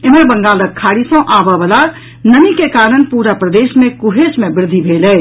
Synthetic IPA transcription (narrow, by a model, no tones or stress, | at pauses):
eməɾbə̃ŋɡaləkʰːaɽisə̃ʔabəbəla | nənikekaɾənpuɾapɾəd̪esmẽkuɦesmebɪɾd̪ʱːibʱelɛ